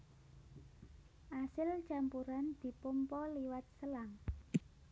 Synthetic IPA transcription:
ʔasɪlt͡ʃampuɾand̪̥i̤pəmpɔliwat̪̚səlaŋ

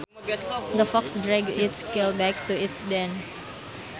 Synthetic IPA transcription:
d̪əfɔksdɾɛɡ̚ɪtskɛlbɛk̚t̪uɪtsdɛ̃n

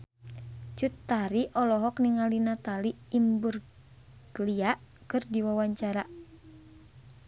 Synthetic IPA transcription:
t͡ʃut̪ːaɾiʔɔlɔɦɔkniŋalinat̪aliːmbur | ɡliakɨrdiwawaɲt͡ʃaɾa

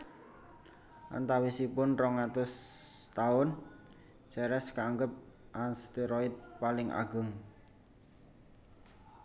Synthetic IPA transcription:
ʔa̰nt̪awisipʊnrɔŋat̪ʊst̪aʊn | sɛɾɛskaŋɡəp̚ʔanst̪iɾɔɪt̪̚palɪŋʔa̰ɡ̥ʊ̤ŋ

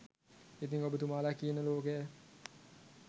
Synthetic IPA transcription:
it̪iŋkobət̪umalakinəloke

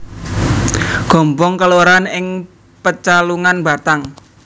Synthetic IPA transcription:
ɡ̥ɔ̤mbɔŋkəloɾanɪŋ | pət͡ʃaluŋanba̤t̪aŋ

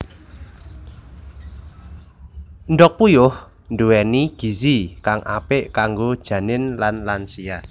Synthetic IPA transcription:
nɖɔk̚pujʊh | nduwɛniɡ̥i̤sikaŋʔa̰pɪʔkaŋɡod̥ʒ̥ä̤nɪnlanlansia

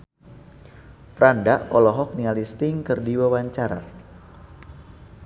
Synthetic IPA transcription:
pɾandaʔɔlɔɦɔk̚nialist̪ɪŋkɨrdiwawaɲt͡ʃaɾa

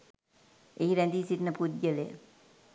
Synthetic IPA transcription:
eɦiɾænd̪iːsitnəpud̪jəlḛj̰

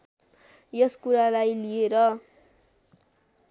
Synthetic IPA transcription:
jʌskuɾalajlieɾʌ

